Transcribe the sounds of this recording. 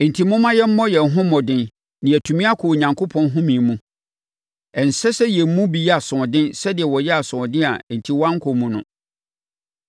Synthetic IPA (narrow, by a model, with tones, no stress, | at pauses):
n̩˨tʰi˨mʊ̃˦mã˦jɛ˦m̩˦mɔ˦jɛ˨n˨ɦʊ̃˦mɔ̃˨dɪ̃˦n | nɪ̃˨æ˨tʰũ˨mĩ˦a˦kʰʊ˨o˨ɲã˨ŋkʰo˦pʰɔ̃˦nɦʊ̃˦mĩ˨mũ˦ | ɛ˨n̩˨sɛ˦sɛ˦jɛ˨m̩˦mũ˦bi˨jɛ˦a˨sʊ̃˨ɔ˨dɪ̃˦nsɛ˦dɪ˨ɛ˨wɔ˨jɛ˦a˨sʊ̃˨ɔ˨dɪ̃˦a˨n̩˨tʰi˨wã˦ŋ̩˦kʰo˨mũ˨nʊ̰̃˦